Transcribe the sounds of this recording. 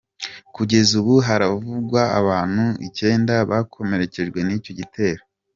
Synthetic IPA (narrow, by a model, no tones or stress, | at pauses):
kuɟe̞zuβuɦaɾavuɡwaːβaːn̥huḭce̞ːndaβakʰo̞me̞ɾe̞ce̞ʒɡwe̞niːco̞ɟitʰe̞ːɾo